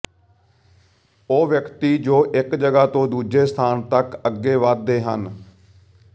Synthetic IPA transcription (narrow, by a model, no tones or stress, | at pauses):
oːʋjəkt̪iːd͡ʒoːʔɪkd͡ʒəɡaːt̪õːd̪uːd͡ʒeːst̪ʰaːnt̪əkəɡːeːʋəd̪̚d̪ːeːɦə̰n